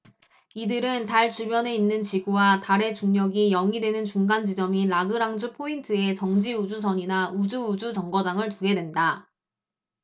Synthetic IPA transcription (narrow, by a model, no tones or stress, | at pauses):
idɯɾɯntaɭt͡ɕubjʌne̞inːɯnt͡ɕiɡuwataɾe̞t͡ɕuŋɲʌɡijʌŋidwe̞nɯnt͡ɕuŋɡand͡ʑid͡ʑʌmilaɡɯɾaŋd͡ʑupʰointʰɯe̞t͡ɕʌŋd͡ʑiud͡ʑus̬ʰʌɲinaud͡ʑuːd͡ʑut͡ɕʌŋɡʌd͡ʑaŋɯɭtuɡe̞dwe̞nda